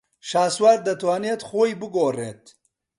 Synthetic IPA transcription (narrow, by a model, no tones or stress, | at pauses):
ʃaːswaɾd̪ɐt̪waːnet̪χojbɨɡoːrḛt̪